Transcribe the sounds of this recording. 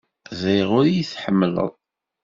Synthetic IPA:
zəjʁʊɾjiθħəmːlə̰ðˤ

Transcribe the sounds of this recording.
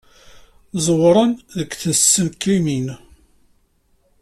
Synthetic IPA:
zˤwɾˤənðəkʷːθənsːənkimin

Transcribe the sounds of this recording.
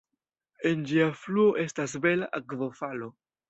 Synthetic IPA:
e̞nd͡ʒiafluo̞ʔe̞stas̬be̞laʔakvofalo̞

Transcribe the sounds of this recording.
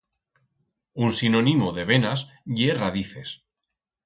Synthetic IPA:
unsinonimoðe̞βe̞nasʝeraðiθe̞s

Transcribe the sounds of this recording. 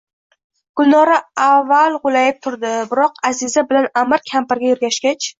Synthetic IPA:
ɡ̥ʊlˠnɒɾaavːalˠʁʊlajɪp̚t̪ʰʊɾd̪ɪbɪɾɒqazɪzabɪlanamɪɾkʲʰampɪɾɡʲajʊɾɡʲaʃɡʲat͡ʃ

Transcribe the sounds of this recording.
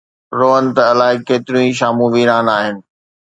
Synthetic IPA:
ɾoːɦənt̪ɐɐlaːɪkeːt̪ɪɾjũĩʃ̬aːmũʋiːɾaːnaːɦɪnɪ̆

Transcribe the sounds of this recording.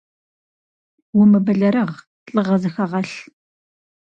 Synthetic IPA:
wʊmɨbɐɮɐɾɐʁ | ɬʼəʁɐzɨxɐʁɐɬ

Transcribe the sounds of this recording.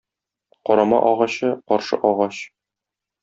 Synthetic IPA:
qɒɾɑmɑ̰ʔɒʁɑɕɤqɒɾʃɤ̰ʔɒʁɑɕ

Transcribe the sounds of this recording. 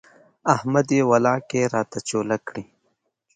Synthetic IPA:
ɐhmad̪ewɐlɑːkeɾɑːt̪at͡ʃoːlakɽi

